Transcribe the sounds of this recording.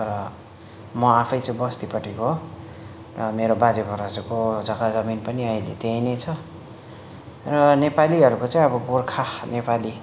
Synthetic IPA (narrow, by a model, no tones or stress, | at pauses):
t̪ʌɾʌ | mʌapʰʌjt͡sʌĩbʌst̪ipʌʈʰekoɦo | rʌmeɾobad͡zebʱʌɾʌd͡zukod͡zʌkad͡zʌminpʌniajlḛt̪ejnejt͡sʰʌ | rʌnepaliɦʌɾukot͡sãĩʌbʌɡorkʰanepali